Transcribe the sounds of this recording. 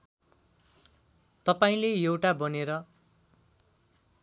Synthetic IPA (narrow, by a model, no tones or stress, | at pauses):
t̪ʌpaĩlejewʈabʌneɾʌ